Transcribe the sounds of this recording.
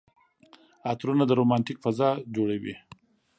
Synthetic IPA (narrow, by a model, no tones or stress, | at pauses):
ɑt̪ɾunad̪əɾomɑntikfazɑd͡ʒoɽawḭ